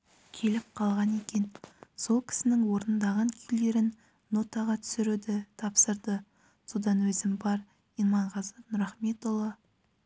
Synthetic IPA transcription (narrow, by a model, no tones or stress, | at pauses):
kʲʰe̞lɪp̚qʰɑlˠʁɑne̞kʲe̞nso̞lˠkʲʰɪ̥sɪnɪŋwo̞ɾnənd̪ɑʁɑŋkʲʰeld̪e̞ɾɪnː | o̞t̪ɑʁɑt̪ʰʏ̥sɪɾud̪ɪt̪ʰɑpsəɾd̪ə | so̞d̪ɑnwɵzɪmbɑɾ | inmɑɴʁɑzəpnʊɾɑχme̞t̪olˠːɑ